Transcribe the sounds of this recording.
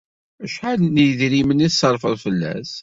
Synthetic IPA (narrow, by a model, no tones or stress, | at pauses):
æʃħalnəjðɾiməniθsɑɾˤfəðˤfəlːæ̰s